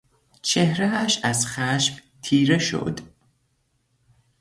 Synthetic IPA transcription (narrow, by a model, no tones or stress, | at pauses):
t͡ʃʰehɾeæʃæzxæʃbt̪ʰiːɾeʃo̞̰d̪